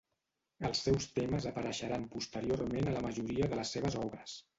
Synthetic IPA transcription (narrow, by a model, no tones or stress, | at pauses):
əlˠsːɛwst̪eməzəpəɾəʃəɾampust̪əɾiormenələməʒuɾiəðələsːeβ̞əzɔβɾəs